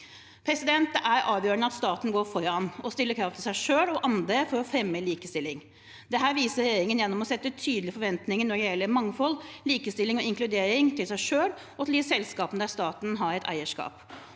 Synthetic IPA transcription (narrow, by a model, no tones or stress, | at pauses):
pʰɾɛsɪd̪ɛnt̪əʔæɾɑːʋjøːɾənəɑt̪st̪ɑːt̪n̩ɡoːɾfɔɾɑnɔst̪ɪlːəkʰɾɑft̪ʰɪlsæɪʂøːlɔʔɑnd̪ɾəfɔɾɔfɾɛmːəliːkəst̪ɪlːɪŋ | d̪ɛɦæːɾʋiːsəɾɛjeːɾɪŋənjɛnːɔmɔsɛt̪ːət̪ʰyːd̪əlɪəfɔɾʋɛnt̪nɪŋənɔɖɛjɛlːəɾmɑŋfɔlːliːkəst̪ɪlːɪŋɔɪŋklʉd̪eːɾɪŋt̪ʰɪlsæɪʂøːl | ɔɑt̪liːsɛlskɑːpənəd̪æːst̪ɑːt̪n̩ɦɑɾɛt̪ʰæ̰ɪəʂkɑ̰ːp